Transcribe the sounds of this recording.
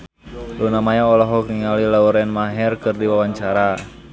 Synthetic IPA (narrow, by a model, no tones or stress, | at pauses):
lunamajaɔlɔɦɔkniŋalilauɾɛnmaɦɛrkɨrdiwawaɲt͡ʃaɾa